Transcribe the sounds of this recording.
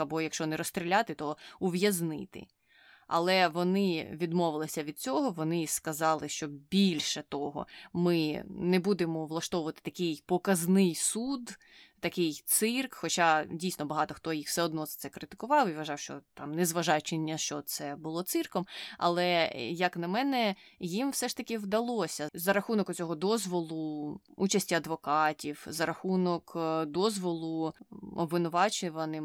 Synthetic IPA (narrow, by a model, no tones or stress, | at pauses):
ɐbɔjɐkʃt͡ʃɔʋnɪɾɔst̪ɾʲilʲat̪ɪt̪ɔuʋjɐznɪ̰t̪ɪ̰ | ɐ̰lˠɛʋɔnɪʋʲid̪mɔʋɪlˠɪsʲɐʋʲid̪̚t͡sʲɔɦɔʋɔnɪskɐzɑlˠɪʃt͡ʃɔbʲilʲʃɛt̪ɔɦɔ̰mɪnɛbud̪emɔʋlˠɐʃt̪ɔʋʊʋɐt̪ɪ̥t̪ɐkɪjpɔkɐznɪjsud̪ | t̪ɐkɪjt̪sɪrkxɔt͡ʃadʲijsnɔbɐɦɑt̪ɔxt̪ɔjixwsɛɔd̪̚nɔzɐ̥t̪sɛkɾɪt̪ɪ̥kʊʋɑwiʋɐʒɑwʃt͡ʃɔ̰t̪ɑmnɛzʋɐʒɑjʊt͡ʃɪnʲːɐʃt͡ʃɔt̪sɛbʊlˠɔt̪sɪrkɔmɐ̰lˠɛjɐknɐmɛnɛjimwsɛʂt̪ɐkʲɪʋd̪ɐlˠɔsʲɐzɐɾɐxunɔkʊt͡sʲɔɦɔd̪ɔzʋɔlˠʊut͡ʃɐsʲtʲiɐd̪ʋɔkɑtʲiwzɐɾɐxunɔkd̪ɔzʋɔlˠʊɔ̰bʋɪnʊʋɑt͡ʃʊʋɐnɪm